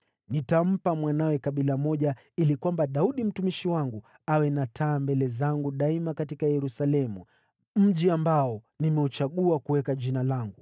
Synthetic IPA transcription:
nitam̩pamwanawɛkaɓilamɔʄa | ilikwambaɗauɗim̩tumiʃiwaŋɡu | awɛnatʰaːmbɛlɛzaŋɡuɗaimakatikajɛɾusalɛmu | m̩ʄiambaɔ | nimɛut͡ʃaɠuakuwɛkaʄinalaŋɡu

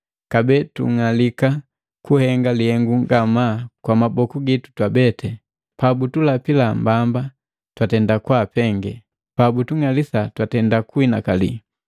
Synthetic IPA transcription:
kabɛːtṵŋalika | kuhɛŋɡalihɛŋɡuŋɡamakwamabɔkuɡitu̥twabɛtʰɛ | pabutulapilambamba | twatɛndakwapɛŋɡɛ | pabutuŋalisatwatɛndakuinakali

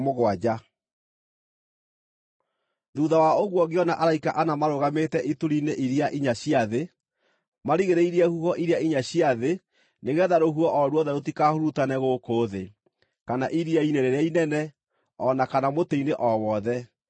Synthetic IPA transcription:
moɣwad͡ʑa | ðuðawaoɣwɔɣeɔnaʔaɾaikaʔanamaɾoɣametɛʔituɾineʔiɾiaʔiɲaɕiaðe | maɾiɣeɾeiɾɛhuhɔʔiɾjaiɲaɕiaðe | neɣɛðaɾoɦuɔʔɔɾwɔðɛɾotikahoɾutanɛɣokoːðe | kanaʔiɾiaineɾeɾeainɛnɛ | ɔnakanamoteineʔɔwɔðɛ

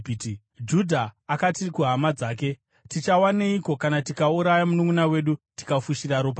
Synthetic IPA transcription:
d͡ʒudʱaːkatikuɦamad͡zaːke̞ | tit͡ʃawaneiko̞kanatikauɾajamunumunawe̞ɗuti̥kafuʃiraɾoːp̬a

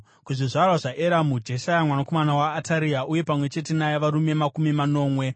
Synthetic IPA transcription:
kuʐiʐarwaʐaʔeɾamud͡ʒeʃajamwanako̞manawaːtaɾiaʔuje̞pamwe̞t͡ʃe̞t̬e̞najaʋaɾume̞makumimano̞ːmwe̞

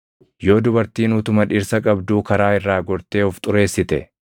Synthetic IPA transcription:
jo̞ːd̪ʊbɐɾt̪iːnʊt̪ʊmɐᶑɪɾsɐkʼɐbd̪uːkɐɾaːɪrːaːɡɔɾt̪eːɔft̪ʼʊɾe̞ːsːɪt̪ɛ̰

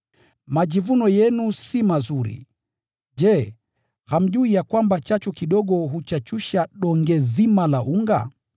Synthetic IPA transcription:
maʄivunɔjɛnusimazuɾḭ | ʄɛ | ham̩ʄuijakwambat͡ʃat͡ʃukiɗɔɠɔɦut͡ʃat͡ʃuʃaɗɔŋɡɛzimalaʔuŋɡa̰

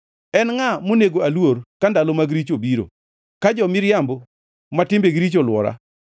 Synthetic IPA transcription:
ɛnŋamoneɡoalworkandalomaɡɾit͡ʃobiɾo̰ | kad͡ʒɔmɪɾjambo | matɪmbeɡɾit͡ʃolwɔ̰ɾa̰

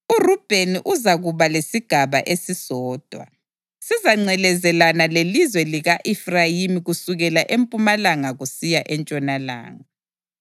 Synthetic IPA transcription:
urub̥ʱeniʔuzaɣuβalesiɡ̥ʱaβa̰ʔesisɔːd̥ʱwa̰ | sizaŋ͡ǀɛlɛzɛlanalelizwɛliɣaʔifrajimiɣusuɣɛlaʔempʼumalaŋaɣusijaʔɛnt͡ʃʼɔnala̰ːŋa

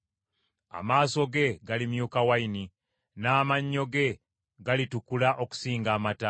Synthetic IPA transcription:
a̰maːso̞ɡe̞ɡalimjukawaini | naːmaɲːo̞ɡe̞ | ɡalitukulaʔo̞ku̥siːŋɡaːmata

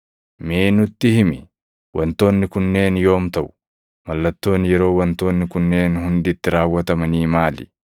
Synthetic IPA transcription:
meːnʊt̪ːɪhɪmɪ | wʔɐnt̪o̞ːnːɪkʊnːe̞ːnjo̞ːmt̪ɐʔʊ̥ | mɐlːɐt̪ːo̞ːnjɛɾo̞ːwɐnt̪o̞ːnːɪkʊnːeːnhʊnd̪ɪt̪ːɪɾaːwːɐt̪ɐmɐniːmaːlɪ̰

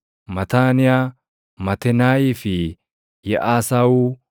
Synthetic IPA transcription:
mɐt̪aːnɪjaː | mɐt̪ɛnaːjiːfɪ | jɛ̰ʔaːsaːwuː

